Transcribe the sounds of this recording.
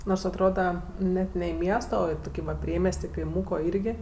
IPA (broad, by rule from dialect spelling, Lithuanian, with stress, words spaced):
noːrs ɐtˈroːdɐ ˈnʲɛt nʲɛ ɪ ˈmʲiɛstoː oː ɪ ˈtʊkʲɪ ʋɐ ˈpʲrʲiɛmʲiɛsʲtʲ ɪ kɐɪˈmuːkoː ˈiːrʲɡʲɪ